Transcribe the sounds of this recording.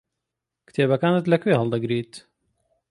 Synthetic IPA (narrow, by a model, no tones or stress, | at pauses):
kɨ̥t̪ʰeːbɐkaːnɨt̪lɐkʰweːɦɐlˠd̪ɐɡɾiːt̪